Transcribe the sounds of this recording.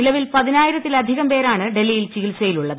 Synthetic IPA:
ilɐʋilpɐðinaːjiɾɐt̪ːilɐd̪ʱiɣɐmpe̞ːɾaːɳɨɖe̞lːijilt͡ɕiɣilsɐjiluɭːɐðɨ

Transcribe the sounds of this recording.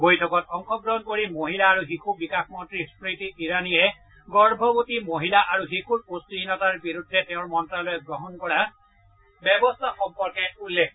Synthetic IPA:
bojtʰɔkɔtɔŋkʰɔɡɹɔɦɔnkoɹimoɦilaːɹuɦikʰubikaxmɔntɹispɹitiʔiɹanijɛ | ɡɔɹbʱɔbutimoɦilaʔaɹuɦikʰutpostiɦinɔtaɹbiɹudʱːɛteʊ̃ɹmɔntɹalɔjɛɡɹɔɦɔnkɔɹa | bɛbɔstʰaxɔmpɔɹkɛulːek̚ʰ

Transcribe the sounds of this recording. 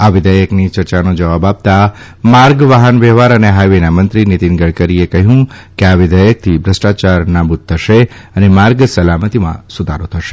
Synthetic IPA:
aʋɪd̪ʱəjəknit͡ʃəɾt͡ʃanod͡ʒəʋabap̚t̪a | maɾɡʋaɦənʋɛɦʋaɾəneɦajʋenamənt̪ɾinit̪inɡəɽkəɾiekəɦjũkeaʋɪd̪əjək̚t̪ʰibʱɾəsʈat͡ʃaɾnabut̪̚t̪ʰːəʃeənemaɾɡsəlamət̪imã̰sʊd̪ʱaɾot̪ʰəʃe̥

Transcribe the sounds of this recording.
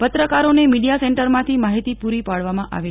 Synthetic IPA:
pət̪ɾəkaɾonemiɽijasɛ̃ɳʈəɾmãt̪ʰimaɦit̪ipuɾipaɽʋamãʔa̰ʋe

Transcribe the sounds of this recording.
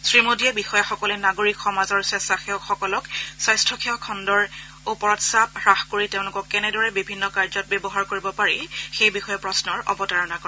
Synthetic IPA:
sɹimodiɛbixɔjaxɔkɔlɛnaɡoɹikxɔmazɔɹsɛstaxɛɔxɔkɔlɔksajstʰɔkʰɛɔkʰɔndɔɹ | upɔɹɔtsap̚ɹaxkoɹiteʊ̃lʊkɔkːɛnɛdɔɹɛbibʱinːɔkaɹzɔt̚bjɔbɔɦaɹkoɹibɔpaɹixejbixɔjɔpɹɔsnɔɹɔ̰bɔtaɹɔnakɔ

